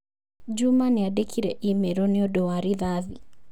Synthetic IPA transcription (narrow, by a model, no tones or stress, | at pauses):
d͡ʒumanɪadekʰiɾɛʔimeɾonɪɔdowaɾiðaði